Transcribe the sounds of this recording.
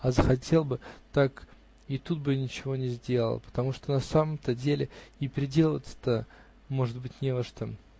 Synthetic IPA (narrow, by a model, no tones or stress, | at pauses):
azəxɐtʲe̞lˠbɨt̪ak | it̪ut̪̚bɨnʲɪt͡ɕɪvo̞nʲɪzʲdʲe̞lˠə̰lˠpə̥t̪ɐmuʂt̪onɐsaməmt̪ədʲelʲɪɪpʲɪɾʲɪdʲe̞lˠəvət̪ʲə̥t̪ə | mo̞ʐɨd̪̚bɨtʲnʲevəʂt̪ə